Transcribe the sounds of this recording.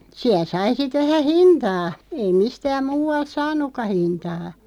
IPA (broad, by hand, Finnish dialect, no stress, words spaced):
siæl̆ sɑi sit ʋæhæ hintɑː ei mistæːm muːɑlt sɑːnˑukːɑ hintɑː